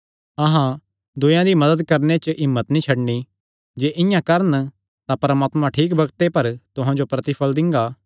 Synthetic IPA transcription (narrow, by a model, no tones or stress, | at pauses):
ɐɦã | d̪ʊjãd̪imɐd̪əd̪̚kɐɾnet͡ʃʔɪmːət̪nĩt͡ʃʰɐɽni | d͡ʒeːʔɪ̃jãkɐɾən | t̪apɾɐmaːt̪mãʈʰiːkbɐɡt̪epɐɾt̪ʊɦãd͡ʒopɾɐt̪ɪpʰəld̪ɪ̃ŋɡaː